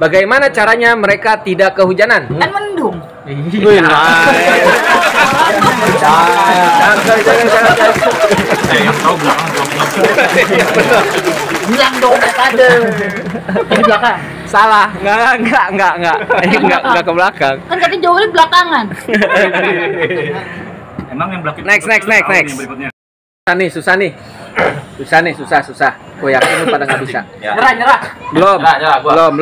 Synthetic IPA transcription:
baɡajmanat͡ʃaɾaɲaməɾekat̪idakːəɦud͡ʒanananməndʊŋ | la | at͡ʃa | akad͡ʒakant͡ʃaɾaa | atablaka | jaŋbənərijaŋdonakadə | tabiblakaŋ | salahŋɡaaŋɡaʔŋɡaʔŋɡaʔŋɡaɡaʔkəblakaŋkankat̪̬id͡ʒowalibəlakaŋan | emaŋjaŋblaknɛksnɛksnɛksnɛs | ahnɪhsusahnɪh | susahnɪhsusahsusahkojak̚inupadaŋɡabissa̰əɾad͡ʒəɾabəlomaəlomb

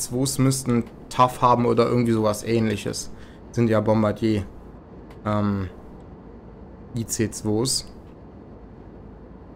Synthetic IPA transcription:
t͡sv̥oːsmʏstn̩ | tʰafhaːbm̩ʔoːdɐʔɪɐɡŋ̩tv̥iːzoːvasʔɛːnlɪçə̰s | z̥ɪntjaːbɔmbadjeː | ʔɛːm | ʔiːt͡seːt͡sv̥oːs

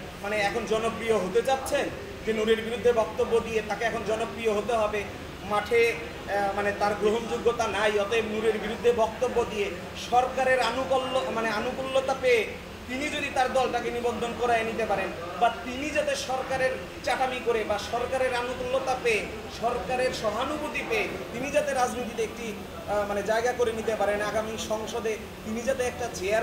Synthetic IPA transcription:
maneɛkʰond͡ʑɔnopɾijoɦot̪et͡ɕatːɕʰen | d͡ʑenuɾeɾbiɾud̪ʱːebɔk̚t̪obːod̪iet̪akeɛkʰond͡ʑɔnopɾijoɦot̪eɦɔbe | maʈʰe | manet̪aɾɡɾoɦond͡ʑoɡːot̪anajɔt̪ebnuɾeɾbiɾud̪ʱːebɔk̚t̪obːod̪ije | ʃɔɾkaɾeɾanukolːomaneanukulːot̪apee | t̪inid͡ʑod̪it̪aɾd̪ɔlʈakenibond̪ʱonkɔɾaenit̪epaɾen | bat̪inid͡ʑat̪eʃɔɾkaɾeɾ | t͡ɕaʈamikoɾebaʃɔɾkaɾeɾanukulːot̪apee | ʃɔɾkaɾeɾʃɔbʱanubut̪ipeet̪inid͡ʑat̪eɾad͡ʑnit̪it̪eek̚ʈi | maned͡ʑaeɡakoɾenit̪epaɾenaɡamiʃɔŋʃod̪e | t̪inid͡ʑat̪eɛk̚ʈat͡ɕeaɾ

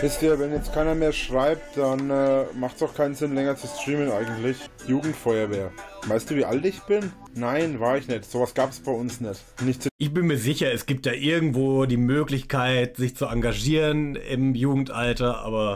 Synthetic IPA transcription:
ʔɪstiːɐvɛnjɛt͡stkʰaɪnɐmeːɐʃʁ̥aɪp̚td̥anɛːmaχtsaʊxkʰaɪnənzɪnlɛŋɐt͡sustʁ̥iːmənʔaɪɡŋ̩tlɪçjuːɡŋ̩tfɔʏɐveːɐvaɪstd̥uːviːʔaltɪçb̥ɪnː | aɪnvaːɐɪçnɛtz̥oːvasɡ̥aːpsb̥aɪʊnsnɛt | nɪçtt͡sʔɪçb̥ɪnmiːɐzɪçɐɛsɡ̥iːp̚t̚d̥aːʔɪɐɡŋ̩tv̥oːdiːmøːklɪçkʰaɪtz̥ɪçt͡suʔaŋɡaʒiːʁənɪ̰mjuːɡŋ̩tʔaltɐʔa̰ːbɐ

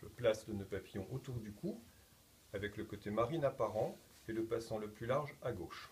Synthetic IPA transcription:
əplasd̪ənopapijɔ̃ʔot̪uʁd̪ykʰuʁ | avɛkləkot̪emaʁinapaʁɑ̃ | eləpasɑ̃ləplylaʁʒaɡoʃ

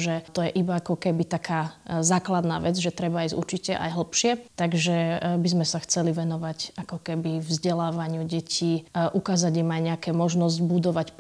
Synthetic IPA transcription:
ʒɛt̪ɔjɛʔibaakɔkɛbit̪akʰaːzaːklad̪na̰ːʋɛd͡zʒɛt̪ɾɛbaiːzṵɾt͡ʃicɛʔa̰jɦl̩pʃɪɛt̪aɡʒɛbizmɛsaxt͡sɛliʋɛnɔʋacakɔkɛbivzɟɛlaːʋaɲɪuɟɛcʰiːʔukaːzaɟimajɲɛakɛːmɔʒnɔzɟbud̪ɔʋacp

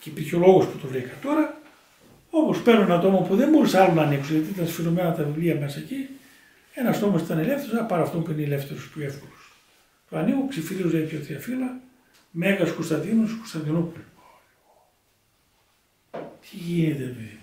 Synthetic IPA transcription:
ceipiɾçeo̞lo̞ɣo̞sput̪ovɾikɐt̪o̞ɾɐ | o̞pospeɾnunɐt̪o̞mopuðenbo̞ɾisɐlonɐːniksunʝɐt̪iit̪ɐnsfiɾomenɐt̪ɐðivliɐmesɐeci | e̞nɐst̪omɐsit̪ɐnelefθeɾosɐpɐɾɐft̪ompuineelefθeɾospçoefkolos | t̪oɐnikuksifiliozeip̪ʰot̪iɐfilɐ | meɣɐskost̪ɐnd̪inuskost̪ɐnd̪inup | t̪ʰiʝinet̪epeði

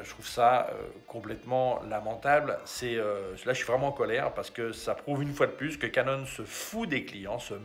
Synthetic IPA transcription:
ʒət̪χuvsaø̰kʰɔ̃plɛt̪mɑ̃lamɑ̃t̪ablsɛølaʒəsɥivʁɛmɑ̃ːkɔlɛʁpaʁsə̥kəsapχuvynfwad̪əplyskəkanɔnsəfud̪eklijɑ̃sə

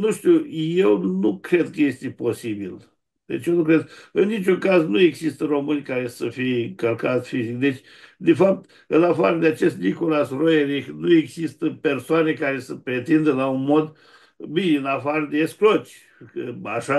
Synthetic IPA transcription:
nuʃt̪uje̞wnukɾe̞d̪kəje̞st̪epo̞sibil | d̪et͡ʃjenukɾed̪̚ɨnːit͡ʃuŋkaznue̞ɡzist̪əro̞mɨnʲkaɾe̞səfijeɨŋkəlkat̪sʲfizikd̪e̞t͡ʃʲ | d̪efap̚t̪ | ɨnafaɾəd̪eat͡ʃe̞st̪niko̞lasrojeɾixnueɡzist̪əpe̞rsoanekaɾe̞səpɾe̞t̪ind̪əlaunmo̞d̪ | binɨnafaɾəd̪eːsklot͡ʃʲ | kəaʃa

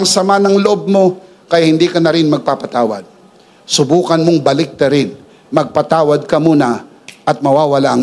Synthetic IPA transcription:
ɐŋsɐmanɐŋloʔob̚mo̞ | kɐjahɪnd̪iːkɐnɐɾɪnmɐɡ̚papɐt̪aːwɐ̰d̪̚ | sʊbuːkɐnmoŋbɐlɪk̚nɐɾɪn | mɐɡ̚pat̪aːwɐd̪̚kɐmuːnɐ | ʔɐt̪̚mɐwaːwɐlaʔ

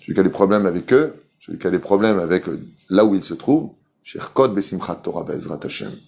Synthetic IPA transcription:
səvy̰kʲad̪epχɔblɛmavɛkø | səvykʲad̪epχɔblɛmavɛk | lauilsət̪χuːv | ʃɛ̰ʁkɔd̪̚besimχat̪ːɔʁabɛ̰zʁat̪aʃɛ̰m

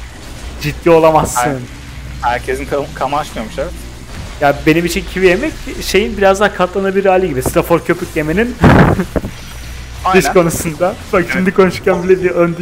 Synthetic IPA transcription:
d͡ʒid̪ːiːo̞lˠamasːɯn | hæɾcʰezinkʰkʰamaat͡ʃmɯjomuʃabɛt̪ | jaːbe̞nimit͡ʃʰincʰivije̞mɛcʃe̞jinbiɾazd̪akʰat̪lˠanabiɾːaːlʲiɟibisɾafoɾcʰø̞pʰycje̞me̞nin | d̪ɯʃko̞nusund̪abakʃimd̪ikʰo̞nuʃcænbilʲɛbiɾønd̪

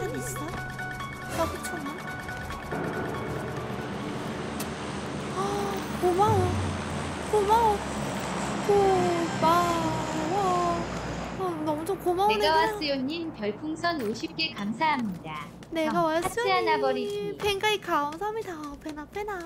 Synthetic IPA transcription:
enis͈ʌ | kakut͡ɕʰoman | akomao | komao | kobakoma | ʌnʌmut͡ɕʰomkomaoeneɡawas͈ɯjoɲːinpjʌɭpʰuŋsʰʌnoɕʰip̚k͈e̞kamsʰaɦamɲida | neɡawaas͈ɯianaɡʌɾipʰeŋɡaikaʌmsʰʌɦamɲidapʰenapʰena

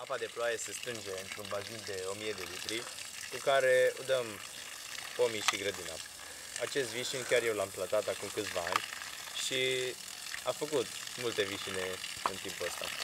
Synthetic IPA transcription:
apad̪e̞ploajesest̪ɾɨnd͡ʒe̞ɨnt̪ɾunbazind̪e̞o̞mije̞d̪e̞lit̪ɾi | kukaɾe̞od̪əm | po̞miʃiɡɾəd̪ina̰ | at͡ʃe̞st̪viʃinkʲjarje̞wlamplat̪at̪akumkɨt̪sʲvaa̰nʲ | ʃi | afəkut̪mult̪e̞viʃine̞ɨ̰nt̪impuəst̪a̰

